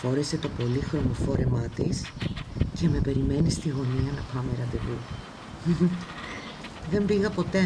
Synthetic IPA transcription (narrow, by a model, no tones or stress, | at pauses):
fo̞ɾese̞t̪o̞po̞lixɾo̞mo̞fo̞ɾe̞mɐt̪isce̞me̞pe̞ɾime̞nist̪iɣo̞niɐnɐpɐme̞ɾɐnd̪eɣu | ðe̞mbiɣɐpo̞t̪e̞